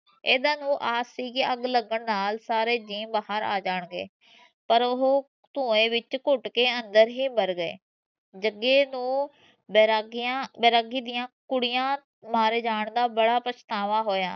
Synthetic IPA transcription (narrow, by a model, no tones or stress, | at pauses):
eːd̪ãːnũːʔaːsiːkiəɡləɡəɳnaːlsaːɾeːd͡ʒiːmbaɦəɾa̰ːd͡ʒaːɳɡḛː | pəɾʊɦoː | t̪ũːẽːʋɪt͡ʃkʊʈkeːənd̪əɾɦiːbəɾɡḛː | d͡ʒəɡeːnũː | bɡãːbɛːɾaɡiːd̪ɪjãːkʊɽɪjãː | maːɾeːd͡ʒaːɳd̪aːbəɽaːpəst̪aːʋaːɦoːja̰ː